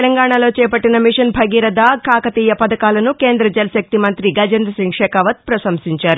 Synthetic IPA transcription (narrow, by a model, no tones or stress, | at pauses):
lɐŋɡaːɳɐlo̞ːt͡ʃɛːpɐʈːinɐmiʂɐnbʱɐɡiːɾɐd̪aːkaːkɐt̪iːjɐpɐd̪ɐkaːlɐnuke̞ːnd̪ɾɐd͡ʒɐlɐsɐk̚t̪imɐnt̪ɾiɡɐd͡ʒɐnd̪ɾɐsiŋɡʂɛːkɐʋɐt̪̚pɾɐsɐmsiɲt͡ʃaːɾu